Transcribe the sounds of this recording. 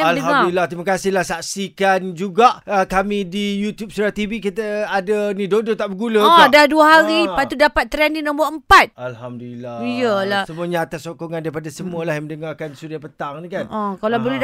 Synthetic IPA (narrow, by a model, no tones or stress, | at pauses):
aldəɦaŋmaduilːaht̪ɾimakasɪhlahsak̚sikand͡ʒuɡaʔəkamidijut̪jup̚sɾat̪ivikit̪əadanĩdodot̪aʔbəɡulədaduəɦaɾipat̪udapat̪ːɾɛninɔ̃mbəəmpat̪̚alɦamdulilaijəlahsəmũəɲaːt̪asːokoŋandaɾipadasəmũəlahjaməndəŋarkansudapət̪aŋnikanʔɔ̃kalabəlɛ